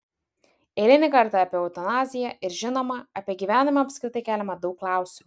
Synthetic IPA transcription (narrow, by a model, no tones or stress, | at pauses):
eːlʲɪnʲɪkɐɾt̪ɑɐpʲiɛɔʊt̪ɐnɑːzʲɪjæʔɪɾʒʲɪnoːmɐɐpʲiɛɡʲiːʋʲæːnʲɪmɐɐpʲsʲkʲɾʲɪt̪ɐɪkʲæːlʲɛmɐd̪ɒʊkːlˠɑˑʊsʲɪu